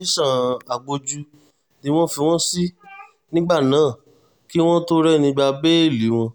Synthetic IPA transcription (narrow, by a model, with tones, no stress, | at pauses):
i˦ʃã˦˨a˨ɡ͡bo˧d͡ʒu˧ | di˨˦w̃ɔ̃˦fi˧w̃ɔ̃˦si˦ | nĩ˦ɡ͡ba˦˨nãː˨˦˨ | ki˦w̃ɔ̃˦to˦ɾɛ˦˨nĩ˧ba˧be˦e˦˨li˨˦w̃ɔ̃˧